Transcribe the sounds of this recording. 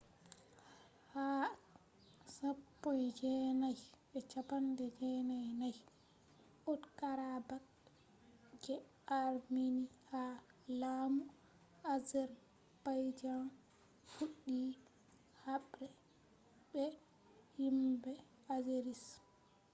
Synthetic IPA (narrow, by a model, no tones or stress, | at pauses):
ha | sapːɔjd͡ʒɛnajɓɛt͡ʃapandɛd͡ʒɛnajnaj | ʔodkaɾabak | d͡ʒɛ | aɾminihalamu | azɛɾ | b̥ajd͡ʒan | fuɗːi | haɓɾɛ | ɓɛ | himbɛ | azeɾis